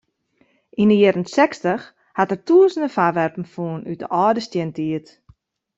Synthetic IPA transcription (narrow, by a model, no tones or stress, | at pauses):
ʔinəjɪɾənsɛkstəx | hatərtuəzəndəfaʋɛrpn̩fuənyt̚də̰ʔɔːdəstjəntiət